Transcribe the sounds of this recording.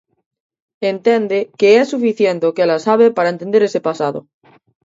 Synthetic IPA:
ent̪end̪ekeesːufiθjent̪eokelasaβ̞epaɾaent̪e̞nd̪eɾese̞pasaðo̰

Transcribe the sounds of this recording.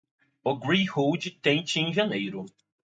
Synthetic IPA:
oɡɾĩhowd͡ʒɪt̪ẽnt͡ʃɪẽʒɐnejɾʊ

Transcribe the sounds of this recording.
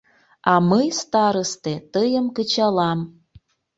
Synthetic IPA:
ɑməjst̪ɑɾəst̪et̪əjəmkət͡ɕɑlɑm

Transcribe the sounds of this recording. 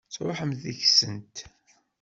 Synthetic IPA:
t͡sɾʊ̰ħəmðiçsənt̪

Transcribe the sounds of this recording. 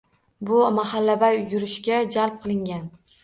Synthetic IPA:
bʊmahalːabajːʊɾɪʃɡʲad͡ʒalp̚qʰɨlˠɪŋɡʲan

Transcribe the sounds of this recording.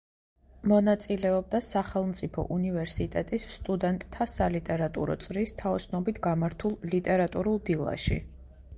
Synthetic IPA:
mɔnat̪sʼilɛɔb̚d̪asaχɛlˠmt̪sʼipʰɔ̰ʔunivɛɾsit̪ʼɛt̪ʼisːt̪ʼud̪ɛnt̪ʼt̪ʰːasalit̪ʼɛɾat̪ʼṵɾɔ̰t̪sʼɾist̪ʰaɔsnɔbit̪ʰɡamaɾt̪ʰulˠlit̪ʼɛɾat̪ʼuɾulˠd̪ilˠa̰ʃḭ

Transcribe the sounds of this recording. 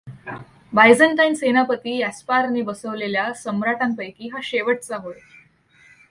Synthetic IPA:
bajd͡zəɳʈajnsenapət̪iːæspaɾniːbəsəʋleljasəmɾaʈampəjkiːɦaɕeʋəʈ̚t͡saɦoe

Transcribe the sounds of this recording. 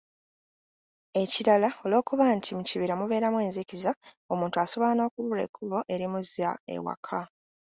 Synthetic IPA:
e̞ciɾalao̞lo̞ːkuβantʰimuciβiɾamuβe̞ːɾamwe̞ːnziciza | o̞muːntuaso̞βoano̞ːkuβuɾe̞̰kʰːuβo̞ʔe̞ɾimuziaḛwa̰kʰa

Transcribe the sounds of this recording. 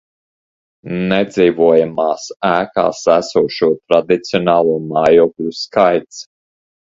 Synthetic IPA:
nɛd̪ziːvuɔjamaːsæːka̰ːsæsuɔʃuɔt̪ɾad̪it̪siɔnaːlˠuːmajɔklʲuskajt̪s

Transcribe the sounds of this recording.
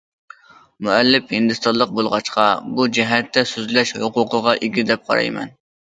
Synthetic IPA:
muɛlːɪphɪnd̪ɨst̪ɑlˠəq̚bolˠʁɑt͡ʃqʰɑbud͡ʒɛɦɛt̪ʰːɛsyzlɛʃhoqʊqəʁɑʔeɡʲid̪ɛp̚qʰɑ̰ɾɑ̰jmɛ̰n

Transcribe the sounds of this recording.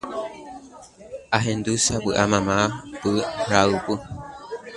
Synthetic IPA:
aɦend̪usabɨʔamãmãpɨhɾaupɨ

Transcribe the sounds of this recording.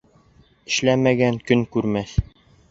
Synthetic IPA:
ɘ̆ʃlæmæɡæŋkɵŋkʉɾmæθ

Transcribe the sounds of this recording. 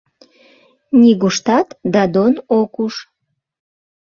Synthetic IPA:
nʲiɡuʃt̪ɑt̪d̪ɑd̪onokuʃ

